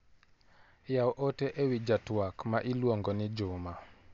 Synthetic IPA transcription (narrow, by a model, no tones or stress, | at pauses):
jaɔʔoteʔewid͡ʒatwakmaʔilwoŋɡɔnɪd͡ʒʊma